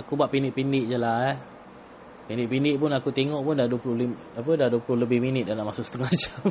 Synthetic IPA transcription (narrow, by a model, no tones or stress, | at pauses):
akubaʔpinɪʔpinɪʔd͡ʒala | pindɪʔpinɪʔ̚pʊnakut̪eŋɔʔpʊndaduəpulʊhli | ap̬ədaduəplʊhləbɪhminɪt̪̚dalaʔmasʊʔsət̪əŋad͡ʒam